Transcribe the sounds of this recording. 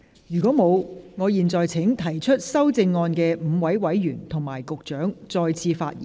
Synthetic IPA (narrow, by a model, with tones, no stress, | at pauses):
jyː˨˩kʷɔː˨˥mo˨˧wŋɔː˨˧jiː˨˩nt͡sɔː˨jt͡sʰɪ˨˥ŋt̪ʰɐ˨˩jt͡ʃʰɵ˥t̚sɐ˥wt͡sɪ˧ŋːɔː˧nkɛː˧m̩˨˧wɐ˨˥jwɐ˨˥jɥyː˨˩nt̪ʰʊ˨˩ŋmaː˨˩jkʊ˨k̚t͡ʃœː˨˥ŋt͡sɔː˧jt͡sʰiː˧fa̰ː˧t̚jḭː˨